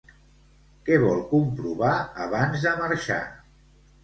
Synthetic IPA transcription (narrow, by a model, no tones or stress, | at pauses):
kɛβɔlˠkumpɾuβaəβanzðəməɾʃa̰